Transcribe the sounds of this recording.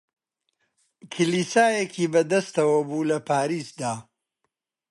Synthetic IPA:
kʰɨliːsaːjekʰiːbɐd̪ɐst̪ɐwɐbuːlɐpaːɾiːsd̪aː

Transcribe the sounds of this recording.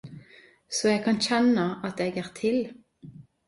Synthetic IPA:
sɔɛɡ̚kʰɑnçɛnəɑt̪eːɡæːʁt̪ʰɪl

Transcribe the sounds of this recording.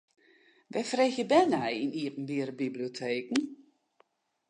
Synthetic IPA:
ʋɛfreːxjəbɛnɛjiniəpn̩biəɾəbibliotʰeːkn̩

